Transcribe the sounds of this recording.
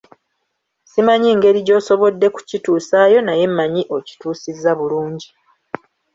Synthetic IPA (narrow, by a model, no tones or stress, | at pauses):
simaɲiːŋɡe̞ɾiɟo̞ːso̞βodːe̞ku̥cituːsaːjo̞naje̞mːaɲiʔo̞ci̥tuːsizːaβuluːɲɟi